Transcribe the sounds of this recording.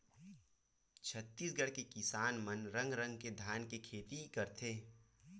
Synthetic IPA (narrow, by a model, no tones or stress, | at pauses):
t͡ʃʰət̪ːiːsɡəɽkekɪsaːnmənɾə̃ŋɡɾə̃ŋɡked̪ʱjaːnkekʰeːt̪ikəɾt̪ʰeː